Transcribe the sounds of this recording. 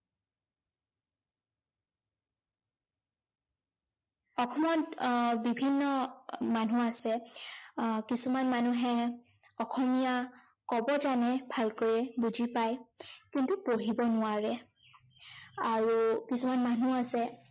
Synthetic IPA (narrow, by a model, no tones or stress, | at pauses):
ɔxʰɔmɔtbibʱinːɔmanuasɛ | kisumanmanuɦɛ | ɔxʰɔmija | kɔbɔzanɛbʱalkojɛbuzipajkintupoɹibɔnʊaɹɛ | aɹukisumanmanuasɛ